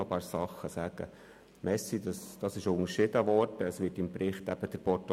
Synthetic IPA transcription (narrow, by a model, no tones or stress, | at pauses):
opɑːɾsɑχəsæːɡ̥ə | mɛsid̪ɑsd̥̪ɑsɪʃʊŋəɾʃɪd̥̪əʋɔrtəsʋɪːtɪmpɾɪχt̪æb̥əd̥̪əɾpɔɾt